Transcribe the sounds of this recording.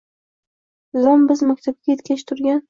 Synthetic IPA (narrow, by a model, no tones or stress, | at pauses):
zɒmbɪzmak̚ʲt̪ʰab̚ɡʲajet̪kʲat͡ʃt̪ʰʊɾɡʲan